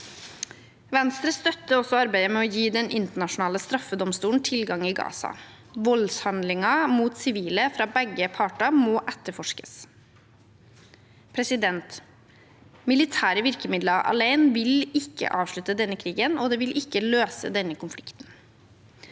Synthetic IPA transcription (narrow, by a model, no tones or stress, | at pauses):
ʋɛnst̪ɾəst̪œt̪ːəɔsɔɑɾbæɪəmɛːɔːjiːd̪ɛnʔɪnt̪əɳɑʂʊnɑːləst̪ɾɑfːəd̪ɔmst̪uːɳ̩t̪ʰɪlɡɑŋɪɡɑ̰ːsɑ̰ | ʋɔlshɑnd̪lɪŋɑmuːt̪sɪʋiːləfɾɑːbɛɡːəpʰɑːʈɑmɔːʔɛt̪ːəɾfɔʂkə̥s | pʰɾɛsɪd̪ɛnt̪ | mɪlɪt̪ʰæːɾəʋɪɾkəmɪd̪lɑʔɑ̰leɪnʋɪlɪkʰːə̰ʔɑːʋʂɭʉt̪əd̪ɛnːəkʰɾiːɡənoːd̪eːʋɪlʔɪkːəløːsə̰d̪ɛnːəkʊnflɪkt̪n̩